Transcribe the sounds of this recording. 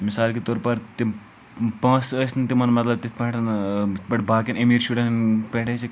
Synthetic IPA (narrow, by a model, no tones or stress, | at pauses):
misaːlkit̪oːɾpɐɾt̪im | pãːsəsnt̪imɐnmɐt̪lɐb̚t̪it̪̚ʰpɐ̃ʈʰnbɐʈbaːkinemiːɾʃuʈɐnnpeʈʰet͡ʃi